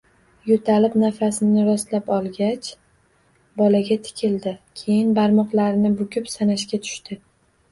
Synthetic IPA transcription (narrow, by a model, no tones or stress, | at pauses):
jot̪ʰalɪpnafasɪnɪɾɒst̪lapɒlˠɡʲat͡ʃ | bɒlaɡʲat̪ʰɪ̥kʲʰɪld̪ɪkʲʰe̞jɪnbaɾmɒqlaɾɪnɪbʊkʲʊpsanaʃkʲat̪ʰʊ̥ʃt̪ɪ